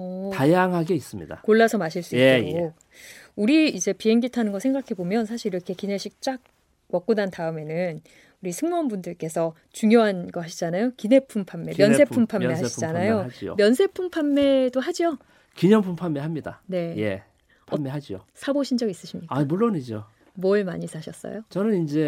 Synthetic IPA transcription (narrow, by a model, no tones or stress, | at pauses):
ʌtajaŋɦaɡe̞is͈ɯmɲḭda̰koɭːasʰʌmaɕʰiɭs͈uiteɡo | uɾiid͡ʑe̞piɦe̞ŋɡitʰanɯnɡʌsʰe̞ŋɡakʰe̞bomjʌnsʰaɕʰiɾiɾʌkʰe̞kineɕʰik̚t͡ɕ͈ak̚ | wʌk͈unantaɯme̞nɯn | uɾisʰɯŋmʌnbundɯɭk͈e̞sʰʌ | t͡ɕuŋjoɦanɡʌɦaɕʰid͡ʑanajokine̞pʰumpʰamːe̞jʌnse̞umpʰamːeɦaid͡ʑanajod͡ʑio̰mjʌnsʰe̞pʰumpʰamːe̞doɦad͡ʑio | kiɲʌpʰumpʰamːe̞ɦamɲidane̞je | pʰʌnmeɦad͡ʑio̰sʰaboɕʰind͡ʑʌɡis͈ɯɕʰimɲikamuɭːonid͡ʑo | mwʌɭmaɲisʰaɕʰʌs͈ʌ̰jot͡ɕʌnɯnind͡ʑe̞